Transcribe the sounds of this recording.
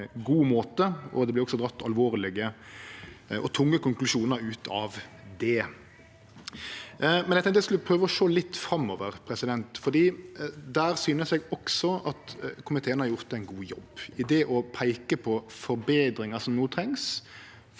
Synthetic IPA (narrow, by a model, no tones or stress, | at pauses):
ɡuːmoːt̪əɔ̰d̪ɛblɪɾɔɡsɔd̪ɾɑt̪ːɑlʋoːɾlɪɡə | ʔɔ̰t̪ʰʊŋːəkʊŋklʉʃuːnəɾʉːt̪ʰɑ̰ʋ | d̪ɛ | mɛnɛɪkt̪ʰɛŋk̪t̪ɛskʉlpʰɾøːʋəɔʃoːlɪt̪ːfɾɑmːɔːʋəɾpʰɾɛsɪd̪ɛnt̪fɔd̪iːd̪æːɾsyːnəsɛɡɔksɔʔɑt̪kʰʊmɪt̪ʰeːənhɑɾjʊʁt̪̚d̪ɛæɪnɡuːjɔ̰bɪd̪eːʔɔpʰæɪkəpʰɔfɔɾbeːd̪ɾɪŋɑsɔmnoːt̪ʰɾɛŋs